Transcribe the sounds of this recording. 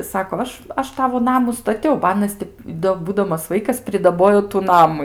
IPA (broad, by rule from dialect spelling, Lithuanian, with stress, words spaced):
ˈsɑːkoː ˈɐʃ ˈɐʃ ˈtɑːʋoː ˈnɑːmʊ stɐˈtʲɛʊ bɐ ˈɑːnɐs tʲɪ doː ˈbuːdɐmɐs ˈʋɐɪkɐs pʲrʲɪdɐˈboːjoː tʊ ˈnɑːmʊ